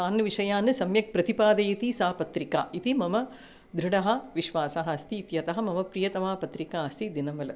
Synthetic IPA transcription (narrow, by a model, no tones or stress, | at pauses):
aːnɐʋiʂɐjaːnɨsɐmjɐk̚pɾɐt̪ipaːd̪ɐjit̪isaːpɐt̪ɾika̰ːʔit̪imɐmɐ | d̪ɾuɽɐɦɐ̆ʋiʃʋaːsɐɦɐːst̪iːt̪jɐt̪ɐɦɐ̆mɐmɐpɾijɐt̪ɐmaːpɐt̪ɾikaːɐst̪id̪inɐmɐlɐ